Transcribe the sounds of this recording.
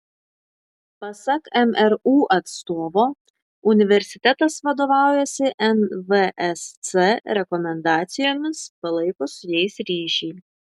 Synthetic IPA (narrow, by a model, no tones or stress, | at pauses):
pɐsɐkɛmɛɾuːʔɐt̪st̪oːʋoː | ʊnʲɪʋʲɛɾʲsʲɪt̪ʲɛt̪ɐsʋɐd̪oːʋɑˑʊjɛsʲɪʔɛnʋəʔɛst̪sɛɾʲɛkɔmʲɛnd̪ɑːt̪sʲɪjoːmʲɪspɐlˠɐɪkoːsʊjɛɪsɾʲiːʃʲɛɪ